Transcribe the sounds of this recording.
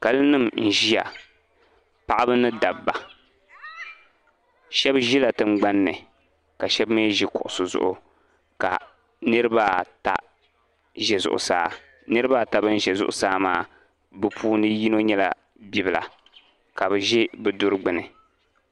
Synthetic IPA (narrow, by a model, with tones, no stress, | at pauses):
ka˨lɨ˦nɨ˦˨mn̩˨ʒi˦ja̰˨ | pa˦ʔa˦bɨ˦nɨ˦da˨bːa˨ | ʃɛ˦bʒi˦la˨tɨ˦˨ŋ͡mɡ͡ba˦nːɨ˨ | ka˨ʃɛ˦bme˦ʒi˦kʊ˨ʔʊ˨sʊ˨zʊ̰˨ʔʊ˨ | ka̰˨ | nɨ˦ɾɨ˦ba˦ta̰˦ | ʒɛ˨zʊ̰˨ʔʊ̰˨saː˦ | nɨ˦ɾɨ˦ba˦ta˨bɨ˦n̩˦ʒɛ˨zʊ̰˨ʔʊ̰˨saː˦maː˦ | bɨ˦pʰuː˦nɨ˦ji˦no˦ɲɛ˦la̰˨ | bi˦bɨ˨la̰˨ | ka˨bɨ˨ʒɛ˦bɨ˨dʊ˦ɾɨ˦ɡ͡bɨ˨nɨ˨